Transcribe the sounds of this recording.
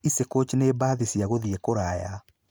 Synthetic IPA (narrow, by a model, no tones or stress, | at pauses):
isekot͡ʃneːbaːðisiaɣoðiekoɾaja